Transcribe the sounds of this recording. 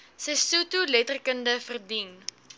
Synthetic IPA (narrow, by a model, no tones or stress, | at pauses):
sɛjsutulɛtərkəndəfərdin